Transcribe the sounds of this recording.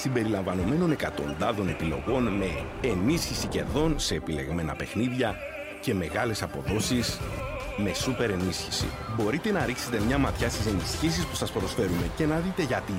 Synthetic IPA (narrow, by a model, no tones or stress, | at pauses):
simbe̞ɾilɐɱvɐno̞me̞no̞ne̞kɐt̪o̞̰nd̪ɐðo̞ne̞pilo̞̰ɣo̞nme̞ː | nisçisice̞̰ɾðo̞nse̞ːpile̞̰ɣme̞nɐ̰pe̞xniðʝɐ | ce̞me̞ɣɐle̞sɐpo̞ðo̞sis | me̞supe̞ɾe̞nisçisḭ | bo̞ɾit̪e̞nɐɾikse̞t̪e̞mɲɐmɐt̪çɐst̪ise̞nisçis̬ispu̥sɐspɾo̞sfe̞ɾume̞ce̞nɐðit̪e̞ʝɐt̪i